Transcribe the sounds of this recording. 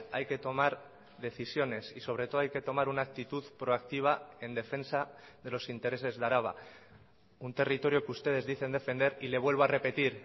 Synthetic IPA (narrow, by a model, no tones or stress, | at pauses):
a̰jke̞t̪o̞maɾ | ðe̞θisjo̞ne̞siso̞β̞ɾe̞t̪o̞ð̞ajke̞t̪o̞maɾunaːk̚t̪it̪uðpɾo̞akt̪iβ̞ae̞nd̪e̞fe̞nsaðe̞lo̞sint̪e̞ɾe̞se̞zðaɾaβ̞a̰ | unt̪e̞rit̪o̞ɾjokust̪e̞ð̞e̞zðiθe̞nd̪e̞fe̞nd̪e̞ɾile̞β̞we̞lβoare̞pe̞t̪iɾ